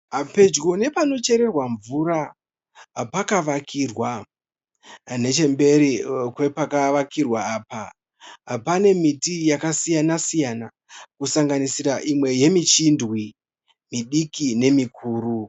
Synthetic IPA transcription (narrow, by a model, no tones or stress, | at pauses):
ape̞d͡ʒɡone̞pano̞t͡ʃe̞ɾe̞rwaɱvuɾa | pakaʋakʰirwa | ne̞t͡ʃe̞mbe̞ɾikwe̞pakaʋakirwaaːpa | pane̞mitijakasijanasijana | kusaŋɡanisiraʔimwe̞je̞mit͡ʃindwi | miɗikine̞mikʰuːru